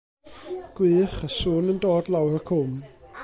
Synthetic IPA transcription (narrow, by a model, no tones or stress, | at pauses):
ɡ̥wɨːχəsuːnəndoːdlawrəkʰʊm